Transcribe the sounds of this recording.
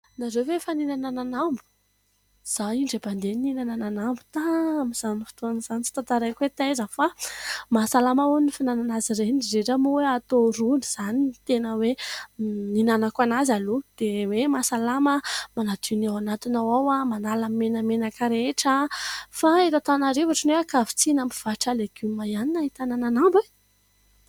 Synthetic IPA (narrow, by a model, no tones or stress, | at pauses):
nazewvefaninanananambu̥ | z̥aiɳɖ͡ʐeband̪eninanananambu̥t̪amiz̥anifi̥t̪uanz̥anit͡si̥t̪at̪aɾajkwet̪azəfamasalamaunifinananaziɾenizeʈ͡ʂamuweat̪oɾuniz̥anit̪enəwe | ninanakanazalud̪̥ewemasalaməmanad̪inawanat̪inawawamanalamimenəmenakaɾeʈ͡ʂəfaet̪at̪anaɾevaʈ͡ʂənweakavi̥t͡sinampi̥v̥aʈ͡ʂaleɡ̥umajaninait̪anananambe